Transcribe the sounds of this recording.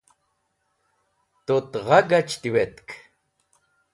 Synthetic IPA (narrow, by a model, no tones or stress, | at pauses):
t̪ot̪ʁɑɡat͡ʃt̪iwet̪k